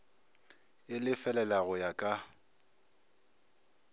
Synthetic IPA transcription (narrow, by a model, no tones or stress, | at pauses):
ɪlɪfɛlɛlaɣʊjakʼa